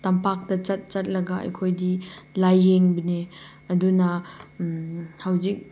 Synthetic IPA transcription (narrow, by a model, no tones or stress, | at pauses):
tampak̚tɐt͡ʃɐt̚t͡ʃɐt̚lɐɡaʔɐ̰jkʰojdilajːeŋbine | ɐdunɐ | hawzik̚